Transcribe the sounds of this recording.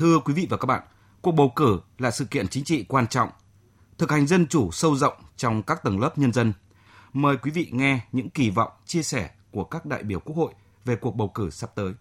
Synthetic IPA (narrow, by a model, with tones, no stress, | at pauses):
t̪ʰɨ˧əkwi˨˦vḭ˧˨vaː˨˩kaː˦˥k̚ɓa̰ː˧˨n | ku˨˩ək̚ɓə˨˩wkɨ˧˩laː˨˩sɨ̰˧˨kḭ˧˨ənt͡ɕï˨˦ŋ̟t͡ɕḭ˧˨kwaː˧nt͡ɕɔ̰˧˨wŋ͡m | t̪ʰɨ˨˩k̚ha˨˩jŋ̟zə˧nt͡ɕu˧˩sə˧wzə̰˧˨wŋ͡mt͡ɕɔ˧wŋ͡mkaː˦˥k̚t̪ə˨˧˩ŋləː˦˥p̚ɲə˧nzə˧n | məː˨˩jkwi˨˦vḭ˧˨ŋɛ˧ɲɨ̰˧˥ŋki˧˩vɔ̰˧˨wŋ͡mt͡ɕi˧əsɛ˧˩ku˧˩əkaː˦˥k̚ɗa̰ː˧˨jɓi˧˩əwku˦˥ək̚ho̰˧˨j | ve˨˩ku˨˩ək̚ɓə˨˩wkɨ˧˩sa˦˥p̚t̪əː˨˦j